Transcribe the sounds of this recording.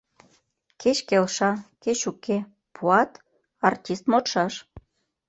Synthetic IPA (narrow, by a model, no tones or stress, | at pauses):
kʰet͡ɕkelʃɑket͡ɕuke | pʰuɑt̪ | ɑrtʲist̪mot̪ʃɑʃ